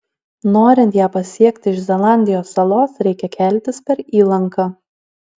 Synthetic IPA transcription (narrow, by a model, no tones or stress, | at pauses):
noːɾʲɪnt̪jæːpɐsʲiɛkʲt̪ʲɪɪʃzʲɛlˠɑˑnʲd̪ʲɪjoːsːɐlˠoːsɾʲɛɪkʲɛkʲʰɛlʲt̪ʲɪspʲɛɾiːlˠɐŋkɑː